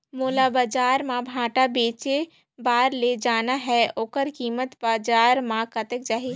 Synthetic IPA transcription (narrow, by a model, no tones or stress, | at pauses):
moːlabaːd͡ʒaːɾmãbʱãːʈabeːt͡ʃe | baːɾled͡ʒaːnaɦɛoːkəɾkiːmət̪baːd͡ʒaːɾmãkət̪ək̚d͡ʒaːɦe